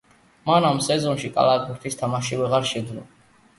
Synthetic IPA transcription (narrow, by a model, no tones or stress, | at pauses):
manamsɛzɔnʃikʼa̰laɡ̪uɾt̪ʰist̪ʰamaʃivɛʁaɾʃɛd̪nɔ̰